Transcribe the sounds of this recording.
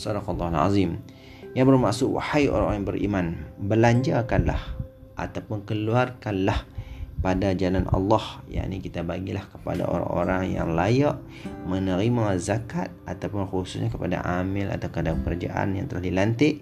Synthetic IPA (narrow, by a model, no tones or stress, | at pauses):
sɑdɑqɑlːɑhala̰zim | jaŋbərmaʔsʊʔwa̰hajʔo̰ɾa̰ŋo̰ŋbəɾʔḭmãnbəlaɲd͡ʒakanla̰h | ʔa̰t̪awpʊnkəluarkanlahpadad͡ʒalanʔɑ̰lːɑhja̰ʔnikit̪abaɡilahkəpa̰da̰ʔo̰ɾa̰ŋoɾaŋja̰ŋlajaʔ | mənəɾimazakat̪̚at̪awpʊnxususɲakəpada̰ʔamɪlʔa̰t̪awkəpadakəɾad͡ʒa̰ʔa̰nja̰ŋt̪əlahdilant̪ɪʔ